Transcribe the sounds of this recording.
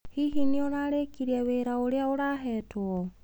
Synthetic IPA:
hiɦinionaɾekiɾieβeɾaoɾeaoɾaɦɛtuo

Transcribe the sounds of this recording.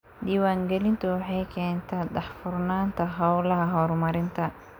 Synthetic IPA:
diːwaːŋɡɛlɪnt̪ʰʊwɑħɑjkʰɛːnt̪ʰɛːɖɐħfʊrnaːnt̪ʰɐɦɐwlɐɦɐɦɔrmɐɾɪnt̪ʰɐ

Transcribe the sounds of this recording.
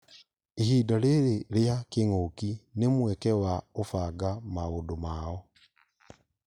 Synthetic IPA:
ehiːdaleɾeleakeŋokinemwɛkɛwaofaːɡamaɣodomaːɔ

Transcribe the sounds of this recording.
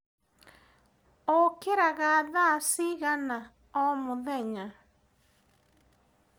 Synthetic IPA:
okeɾaɣaðasiɣana | ɔmoðɛɲa

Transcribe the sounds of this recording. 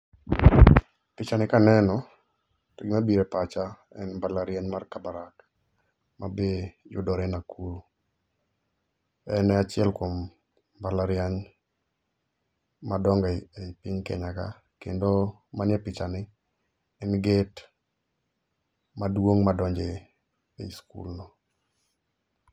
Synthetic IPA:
pɪt͡ʃanɪkanɛnɔ | tɪɡmabiɾɛpat͡ʃa | ɛnbalaɾjaɲmarkabaɾak | mabejʊ̰dɔɾɛnakuɾu | ɛnɛat͡ʃɪɛlkom | balaɾjaɲ | madɔŋɡepɪɲkɛ̰ɲaka̰ | kḛndo | manjɛpɪt͡ʃanɪ | ɛnɡɪt | madwoŋmadɔɲd͡ʒe | eskṵlnɔ

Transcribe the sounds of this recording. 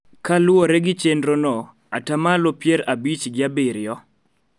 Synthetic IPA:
kalʊoɾɛɡɪt͡ʃendɾonɔ | atamalopjɛɾabit͡ʃɡɪabɪɾɪjɔ

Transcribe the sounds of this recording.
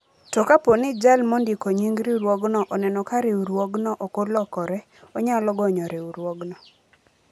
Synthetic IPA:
tɔkaponɪd͡ʒalmondikoɲiŋɡɾiuɾwoɡnɔʔɔnɛnɔkaɾeuɾwoɡnɔʔokolɔkɔɾɛ | ɔɲalɔɡɔɲɔɾeuɾwɔɡnɔ

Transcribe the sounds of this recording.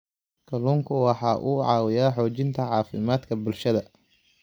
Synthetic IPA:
kʰɐluːŋkʰʊwɑħɑːʔuːʕɑ̰ːwɪjaːħɔːt͡ʃɪnt̪ʰɐʕɑːfɪmaːd̪kʰɐbʊlʃɐðɐ

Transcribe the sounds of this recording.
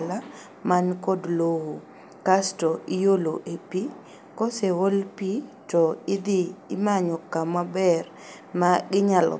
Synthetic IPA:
la | mankɔdlowo | kastɔɪjoloʔepi | kɔsewolpitɔɪd̪ɪɪmaɲɔkamabɛr | maɡɪɲal̰

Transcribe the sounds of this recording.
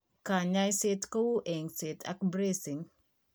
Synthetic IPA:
kaɲajsɪtkowuʔeŋsɪtʰa̰kbɾesiŋ

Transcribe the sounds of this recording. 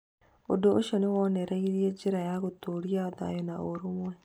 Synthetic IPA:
odooʃɔnewɔnɛɾɛiɾiɛd͡ʒeɾajaɣotoɾiaoða̰jɔnaoɾomwɛ

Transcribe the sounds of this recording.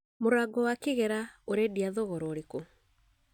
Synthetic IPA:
moɾaɡɔwakeɣɛɾaoɾediaðoɣɔɾɔːɾeko

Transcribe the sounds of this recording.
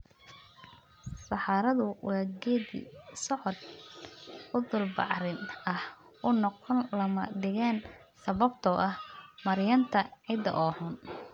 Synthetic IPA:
sɑħɑːɾɐðʊwʔɑːɡɛːdḭsɔʕɔd̪ | ʊðʊlbɑ̰ʕɾɪnɐh | ʊnɔqɔnlɐmɐd̪ɪɣan | sɐβɐbt̪ʰɔʔɐhmɐɾjɐnt̪ʰɐʕɪd̪ɐ̰ʔɔːhʊn

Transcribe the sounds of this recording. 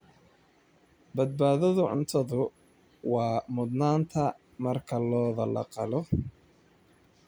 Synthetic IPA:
bɐd̪̚baːðɐðʊʕʊ̰nt̪ʰɐðʊ | wɑːmʊd̪naːnt̪ʰɐ | mɐrkʰɐlɔːðɐlɐ̰qɑlɔ

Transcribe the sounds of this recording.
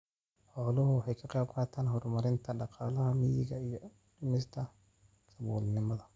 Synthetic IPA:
ħɔːlʊhʊwħɑjkʰɑqeːb̚qɑːt̪ʰaːnɦɔrmɐɾɪnt̪ʰɐɖɑqɑːlɐhɐmɪjɪɣɐijɔ | dʊmɪst̪ʰɐ | sɐβɔːlnɪmɐðɐ

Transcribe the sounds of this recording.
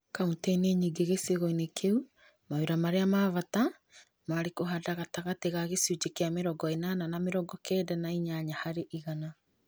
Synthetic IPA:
kauntɛneɲiːɡeɣeseɣɔinekʰeu | maeɾamaɾeamaβata | maɾekoɦadaɣataɣateɣaɣesud͡ʒekeameɾɔɡɔenananameɾɔɡɔkɛːdɛnaiɲaɲahaɾeʔiɣana

